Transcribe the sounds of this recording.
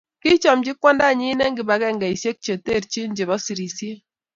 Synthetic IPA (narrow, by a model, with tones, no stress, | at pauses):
ki˦t͡ʃɔ˨md͡ʒi˦kwɔ˦nda˦˨ɲi˦nɛ˦ŋɡi˨ba˨˦kɛ˦˨ŋɡɛ˨i˨se˦k̚t͡ʃe˨te˦˨ɾt͡ʃi˦ɲd͡ʒe˨βɔ˦si˨ɾi˨sje˦